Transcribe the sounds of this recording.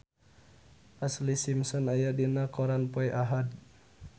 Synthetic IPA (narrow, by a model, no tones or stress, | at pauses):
ʔaslisimsɔnajadinakɔɾanpɔɛʔaɦad